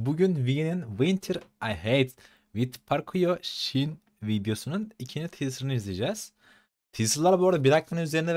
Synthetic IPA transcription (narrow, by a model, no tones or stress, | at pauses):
buɟynvijininvint̪ʰeɾajɦejt̪ | vit̪pʰaɾkʰujoʃin | vid̪jo̞sununicʰind͡ʒit̪ʰijsɾɯnɯizlʲed͡ʒɛz̥ | t̪ʰijsɯɾlˠaɾboɾd̪abiɾak̚lˠanɯnyze̞ɾind̪ɛ